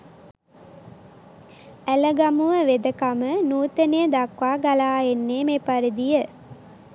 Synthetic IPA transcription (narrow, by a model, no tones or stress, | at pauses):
æləɡamuʋəʋed̪əkamənuːt̪ənejəd̪akʋaːɡalaːenːeːmepaɾid̪ijə